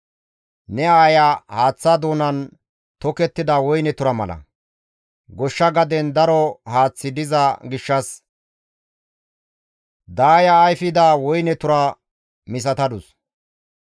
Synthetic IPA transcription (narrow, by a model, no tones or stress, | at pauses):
nɛaːjahaːt͡sːad̪oːnɐn | t̪ɔkɛt̪ːɪd̪ɐwɔjnɛt̪ʊɾɐmɐ̰lɐ̰ | ɡɔʃːɐɡɐd̪ɛnd̪ɐɾɔhaːt͡sːɪd̪ɪzɐɡɪʃːɐs | d̪aːjɐːjfɪd̪ɐwɔjnɛt̪ʊɾɐ | mɪs̬ɐt̪ɐd̪ʊs